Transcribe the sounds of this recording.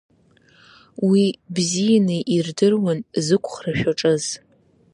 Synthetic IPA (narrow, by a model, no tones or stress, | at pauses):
wibzijanɨʔirdɨrwanzɨkʷʰʼχraʃᶣaʈ͡ʂʼɨz̥